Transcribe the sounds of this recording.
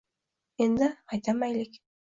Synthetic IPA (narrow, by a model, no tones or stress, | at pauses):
end̪ɪqʰɑjt̪ɑmæjlʲɪk